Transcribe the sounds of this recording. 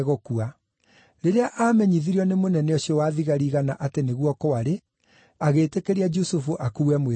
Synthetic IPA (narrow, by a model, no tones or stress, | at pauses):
ɣɔkua | ɾeɾeaʔaːmɛɲiðiɾiɔnemonɛnɛɔɕjɔwaːðiɣaɾiːɣanaʔateneɣwɔkɔaɾe | aɣeːtekeɾiad͡ʒusufoʔakuːwɛmwe